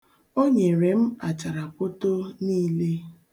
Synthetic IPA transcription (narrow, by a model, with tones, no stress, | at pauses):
o˦ɲe˨ɾe˨m̩˦a˨t͡ʃa˨ɾa˨po˦to˦niː˦le˦